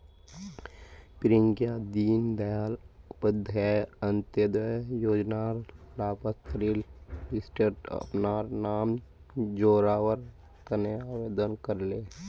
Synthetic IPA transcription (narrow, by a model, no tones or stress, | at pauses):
pɪɾiŋɡijad̪iːnd̪əjaːlpəd̪ʱjajənt̪jəd̪əjjoːd͡ʒnaɾlaːpət̪ɾilɖɪsʈɪɾʈə̰pnaːɾnaːm | d͡ʒoːɾaːwəɾ | kəneaːʋeːd̪ənkəɾle